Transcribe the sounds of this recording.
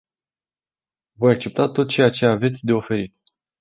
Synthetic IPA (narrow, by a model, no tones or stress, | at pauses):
vo̞jak̚t͡ʃe̞p̚t̪at̪ːo̞t̪̚t͡ʃe̞jat͡ʃe̞ave̞t̪sʲd̪e̞o̞fe̞ɾit̪